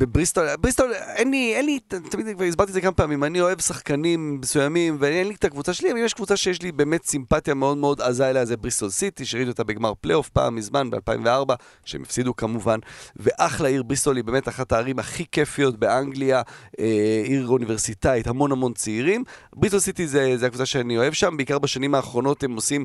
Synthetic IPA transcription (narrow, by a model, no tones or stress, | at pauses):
bebʁist̪olabʁist̪olenlienlitt̪amid̪kvaʁis̬baʁt̪izekamapaːmimanio̞e̞vsaχkanimːesujamimveenlit̪akvut͡saʃeliavimjeʃkvut͡saʃejeʃ̬libe̞ːmetsimpatjameo̞d̪meo̞d̪azaelaazebʁist̪olsit̪iʃeid̪uot̪abe̞ɡmaʁpleo̞fpa̰ːmːizmanbealpa̰ḭmveaʁba | ʃḛmafsid̪ukamuvanve̞ʔaχlaiʁbʁisolibeːmetaχataːʁimaχikefijo̞tbe̞aŋɡliaeiʁunive̞ʁsit̪ait̪hamo̞nhamo̞nt͡siːʁim | bʁisolsit̪izezeakvut͡saʃeanio̞e̞vʃambeikaʁbaʃanimaːχʁo̞no̞t̪emosim